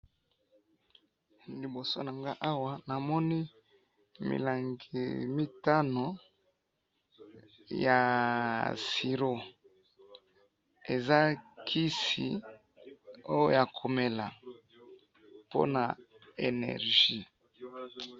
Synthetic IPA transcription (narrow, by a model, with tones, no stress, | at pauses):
li˨bo˨so˦na˨ŋɡa˦ʔa˦wa˨na˨mɔ˦ni˦ | mḭ˨la˨ŋɡḭ˨mi˦ta˦no˨ | ja˨ | si˨ɾo˦ | e˨za˦kʰi˦sḭ˨ | o˦jo˦ja˨kʰo˨me˨la˨ | po̰˦na˨ | ḛ˨nɛ̰˨ʁʒi˦